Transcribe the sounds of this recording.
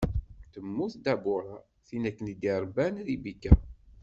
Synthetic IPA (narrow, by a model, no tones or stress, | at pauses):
t̪əmːuθd̪æbʊɾˤa | θinækːənid̪iɾˤbænðibikːæ